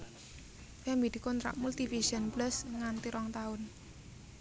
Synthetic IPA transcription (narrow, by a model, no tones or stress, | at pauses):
kɛmbid̪̥i̤kɔnt̪ɾa̰ʔmult̪ifisənpləsŋant̪iɾʔɔŋt̪aʊn